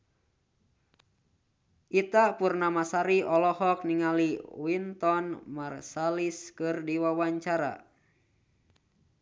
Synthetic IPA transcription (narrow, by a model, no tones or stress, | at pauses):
ʔit̪apurnamasaɾiʔɔlɔhɔk̚niŋaliwint̪ɔnmarsaliskɨrdiwawaɲt͡ʃaɾa̰